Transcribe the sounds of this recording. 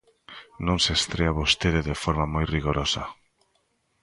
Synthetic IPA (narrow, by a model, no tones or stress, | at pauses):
nõŋsest̪ɾeaβost̪eðeðefɔɾmamojriɣoɾosɐ